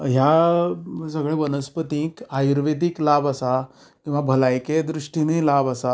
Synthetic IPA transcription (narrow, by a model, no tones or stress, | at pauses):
ɦja | səɡɭeʋənəspət̪ĩkajuɾʋed̪iklabasa | kĩw̃ʋabʱəlajked̪ɾiʂʈinelabasa